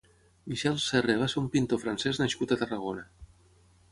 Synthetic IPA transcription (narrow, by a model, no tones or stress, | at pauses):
miʃɛlˠsereβ̞aseɾumpint̪ofɾanseznaʃkut̪at̪araɣ̞ona